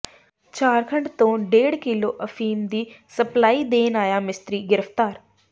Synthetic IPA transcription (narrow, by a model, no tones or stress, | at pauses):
t͡ɕaːɾkʰə̃ɳɖt̪õːɖeːɽkɪloʔɐfiːmd̪iːsɐplaːid̪eːnaːjamɪst̪ɾiɡɪɾəft̪aːɾ